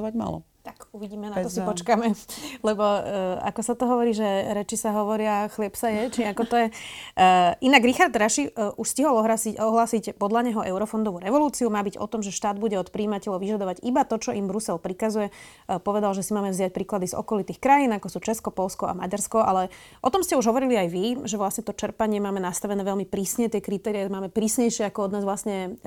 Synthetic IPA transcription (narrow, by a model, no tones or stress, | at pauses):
ʋaɟma̰lɔ̰ | t̪akuʋiɟiːmɛnaɔssipɔt͡ʃkamɛlɛbɔa̰kɔsat̪ɔɦɔʋɔɾiːʒɛɾɛt͡ʃisaɦɔʋɔɾɪaxlɪɛpsajɛt͡ʃiakɔt̪ɔjɛ | ʔinaɡɾixaɾd̪ɾaʃiʔuʃsciɦɔlˠɔɦɾasiɔɦlaːsicpɔd̪laɲɛɦɔʔɛʊɾɔfɔnd̪ɔʋuːɾɛʋɔluːt͡siumaːbiɟɔ̰t̪ɔmʒɛʃt̪aːd̪̚buɟɛɔt̪pɾiːmacɛlɔʊʋiʒad̪ɔʋaɟibat̪ɔt͡ʃɔʔimbɾusɛlpɾikazujɛ | pɔʋɛd̪alʒɛsimaːmɛvzɪac̚pɾiːklad̪izɔ̰kɔlit̪iːxkɾajiːnakɔsuːt͡ʃɛskɔpɔlskɔʔa̰maɟaɾskɔʔalɛ | ʔɔt̪ɔmscɛuʒɦɔʋɔɾiliajʋiʒɛʋlasɲɛt̪ɔt͡ʃɛɾpaɲɪɛmaːmɛnast̪aʋɛnɛːʋɛlmipɾiːsɲɛt̪ɪɛkɾit̪ɛːɾiɛmaːmɛpɾiːsɲɛjʃɪɛakɔɔd̪naːzʋlasɲɛ